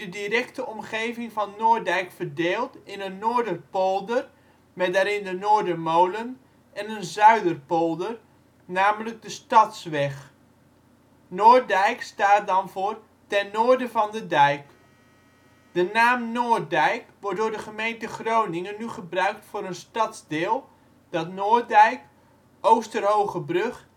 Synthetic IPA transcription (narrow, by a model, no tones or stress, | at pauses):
dədirɛktəɔmχejvɪŋvɑnːoːɹdɛjkfərdeːlˠtɪnənːoːɹdərpolˠdər | mɛdaːɾɪndənoːɹdəmowlən | ɛnənzœɥdərpolˠdər | naːmələɡ̚dəstɑtsʋɛχ | noːdɛjkstaːt̚dɑnvʊːr | tɛnːoːɹdəvɑndədɛjk | d̥ənaːmnoːrdɛjkʋɔr̚dʊːɹdəχəmejntəχrownɪŋənːyχəbrœɥk̚tfʊːɾənstɑtzdɪːlˠ | d̥ɑtnoːdɛjk | ʔowstərɦowχəbrɵχ